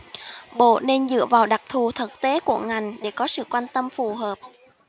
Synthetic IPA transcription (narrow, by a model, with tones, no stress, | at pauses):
ɓo̰˧˨ne˧nzɨ̰˧˨əvaː˨˩wɗa˨˩k̚t̪ʰu˨˩t̪ʰə˨˩k̚t̪e˨˦ku˧˩əŋa˨˩jŋ̟ɗe˧˩kɔ˨˦sɨ̰˧˨kwa˧nt̪ə˧mfu˨˩ɦəː˨˩p̚